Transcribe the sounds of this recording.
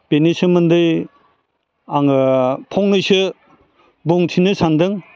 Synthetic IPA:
b̥enisɯmɯndɯj | aŋɯpʰɔŋnɯjsɯ | buŋtʰinɯsandɯŋ

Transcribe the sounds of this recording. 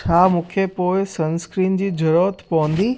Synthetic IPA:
t͡ɕʰaːmũːkʰepoːɪsɐ̃nskɾiːnd͡ʑiːd͡ʑʱɐɾoːt̪pɐʋə̃nd̪iː

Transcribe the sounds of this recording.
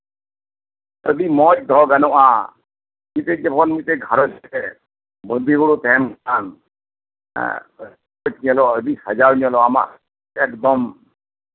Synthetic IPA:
əd̪imɔt͡ʃ̚d̪ʱɔɡanɔʔa | mit̪ɛd͡ʒɛpɔnmit̪ɛɡʱaɾɔt͡ʃt̪ɛ | bənd̪ʱiɡɔɽut̪ɛmɡan̰ | ɔt͡ʃɲɔlɔəd̪ishad͡ʒaɾɲɔlɔama̰ʔ | ɛkd̪ɔm

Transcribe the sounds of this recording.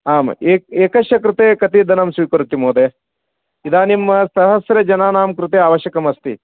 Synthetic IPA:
aːmɐ̰eːeːkɐʃjɐkɾut̪eːkɐt̪id̪ʱɐnɐmsʋiːkɐɾut̪imoːd̪eː | id̪aːnimːɐsɐɦɐsɾɐd͡ʒɐnaːnaːmkɾut̪eːaːʋɐʃjɐkɐmɐst̪ḭ

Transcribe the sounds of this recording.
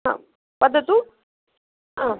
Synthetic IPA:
ã̰ | pɐd̪ːɐt̪u | a

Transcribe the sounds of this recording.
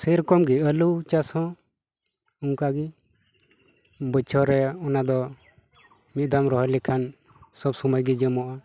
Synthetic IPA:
səɾkɔmɡiəlut͡ʃashɔ̃ | uŋkaɡi | bət͡ʃʰɔɾɛɔnad̪ɔ | mit̪̚d̪amɾɔɦɔlikʰan | sɔbsɔmɔjɡid͡ʒəmɔʔa

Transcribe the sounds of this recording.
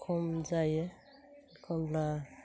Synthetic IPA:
kʰɔmzajɛ | kʰɔmla

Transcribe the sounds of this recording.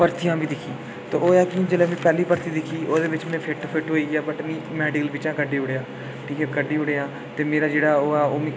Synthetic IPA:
pəɾt̪ʰijãːbiːd̪ɪkʰiː | t̪oːoːaːkiːd͡ʒəlɛːmẽːpɛːliːpəɾt̪ʰiːd̪ɪkʰiːʔoːd̪eːʋɪt͡ʃmɛ̃ːpʰɪʈpʰɪʈɦoːiːaːbəʈnĩːmɛːɖɪkəlbɪt͡ʃãːkəɖːeːʊɽeːaː | ʈʰiːkɛːkəɖiːʊɽeːaː | t̪eːmeːɾaːd͡ʒeːɽaːoːɛːoːmẽː

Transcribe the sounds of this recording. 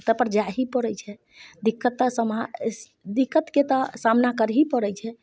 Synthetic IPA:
t̪əpəɾd͡ʒaɦipəɾəjt͡ʃʰɛ | d̪ikːət̪ːəsəma | d̪ikːət̪ket̪ɔsamnakəɾɦipəɾɛjt͡ʃʰɛ

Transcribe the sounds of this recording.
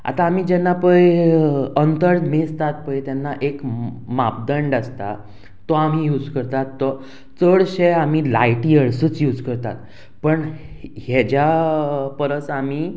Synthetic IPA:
a̰t̪aːm̤iːd͡ʑɛnːapəj | ənt̪əɾmest̪at̪̚pəjt̪jɛnːaʔekmap̚d̪əɳɖast̪a̰ | t̪ːɔam̤iːjuːd͡zkəɾt̪at̪ːɔ | t͡səɽɕeam̤iːlajʈiːəɽsəːt͡sjuːd͡zkəɾt̪a̰t̪ | pəɳ | hed͡ʑjapəɾəsam̤iː

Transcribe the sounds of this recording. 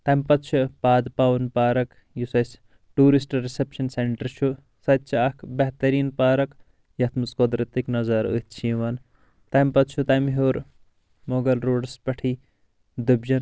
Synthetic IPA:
t̪ɐmpɐt̪t͡ʃʰupaːd̪paːwɐnpaːɾɐk | jusɐsʲ | ʈuːɾisʈɾisepʃɐnseɳʈɐɾʃʰu | sɐt̪̚t͡ʃʰakbɐɦt̪ɐɾiːnpaːɾɐk | jɐt̪ʰmuskod̪ɾɨt̪iknɐzɐɾə̰t̪t͡ʃʰiːʋɐn | t̪ɐmpɐt̪t͡ʃʰut̪ɐmɦoːɾ | moːɡɐlɾoːɖspɐʈʰiː | d̪ubd͡ʒɐn

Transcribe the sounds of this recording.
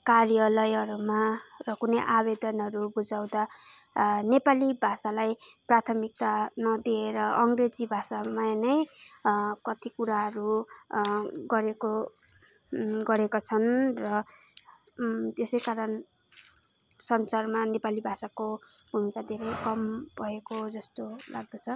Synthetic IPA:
karjʌlʌjʌɾumarʌkunʌjʔabed̪ʌnɦʌɾubud͡zaw̃d̪a | nepalibʱasalajprat̪ʰʌmik̚t̪anʌd̪ieɾʌʌŋɡred͡zibʱasamanʌj | kʌt̪ikuɾaɦʌɾu | ɡʌɾeko | ɡʌɾekot͡sʰʌnrʌ | t̪esʌjkaɾʌn | sʌnt͡sarmanepalibʱasako | bʱumikad̪ʱeɾʌjkʌmbʱʌɦekod͡zʌst̪ola̰ɡ̚d̪ʌt͡sʰʌ

